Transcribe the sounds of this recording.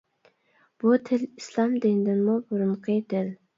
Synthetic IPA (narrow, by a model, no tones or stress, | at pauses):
b̥ut̪ʰɪlislˠɑmd̪ind̪ɪnmubuɾumqʰɨd̪ɪl